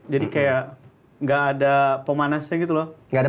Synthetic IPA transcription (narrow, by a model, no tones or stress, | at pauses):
d͡ʒadikajaʔ | ŋɡaʔːdapəmanasɲaɡit̪ulɔhŋɡada